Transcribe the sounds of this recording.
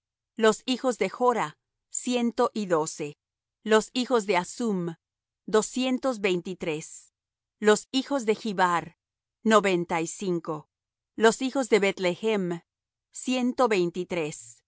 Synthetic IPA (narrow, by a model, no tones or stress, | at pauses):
lo̞sixo̞zðe̞xo̞ɾa | sje̞nt̪o̞ʔiðo̞se̞ | lo̞sixo̞zðe̞asum | d̪o̞sje̞nt̪o̞zβe̞jnt̪it̪ɾe̞s | lo̞sixo̞zðe̞xiβaɾ | no̞βe̞nt̪aisiŋko̞ | lo̞sixo̞zðe̞βet̪le̞xem | sje̞nt̪o̞βe̞jnt̪it̪ɾe̞s